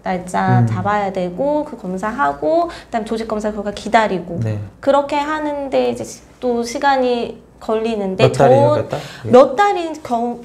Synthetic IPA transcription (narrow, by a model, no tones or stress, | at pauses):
taɭt͡ɕ͈at͡ɕabajadwe̞ɡokɯkʌmsʰaɦaɡoɯɯdamt͡ɕod͡ʑik͈ʌmsʰakʌɡakidaɾiɡonkɯɾʌkʰe̞ɦanɯnde̞id͡ʑe̞ | t͈oɕʰiɡaɲi | kʌʎːinɯndet͡ɕʌ | jʌt̚t͈aɾikjʌ